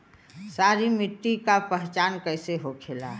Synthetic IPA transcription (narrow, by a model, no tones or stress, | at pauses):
saɾimiʈːikapəɦt͡ʃaːnkəɪseɦokʰela